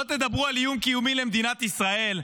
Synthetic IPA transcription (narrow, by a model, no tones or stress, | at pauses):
ot̪ed̪abʁualijumkijumile̞md̪inat̪isʁae̞l